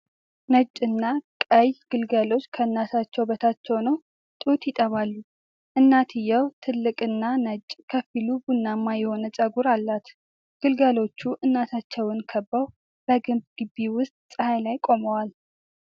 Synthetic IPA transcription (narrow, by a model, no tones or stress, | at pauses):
nət͡ʃʼːɨnːakʼəjɡ̥ɨlɡalo̞t͡ʃːkʰəɨnːat̪ʰat͡ʃːɛwbət̪ʰat͡ʃːɛwnəw | t̪ʼut̪jɪt̪ʼəβalːu | ʔɨnːat̪ʰɨjəwt̪ʰɨlːɨkʼɨnːanət͡ʃʼːkʰəfilubunːamːajɛho̞nət͡ʃʼəɡuɾalːat̪ | ɡ̥ɨlɡalo̞t͡ʃːuʔɨnːat̪at͡ʃːɛwɨnkʰəbːəw | b̥əɡɨmbɡ̥ɨbiwʊst̪̚ʼsʼɨhajlajkʼo̞məwal